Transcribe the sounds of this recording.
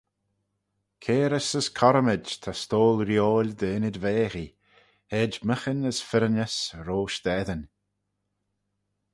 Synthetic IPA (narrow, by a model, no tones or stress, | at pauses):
kʰeːɾəsəskʰɔɾəmɪd͡ʒt̪ʰast̪oːlɾjoːlʲd̪əɪnɪdveːxi | hɛd͡ʒməxənəsfɪɾənəsɾoːʃd̪̥ɛðən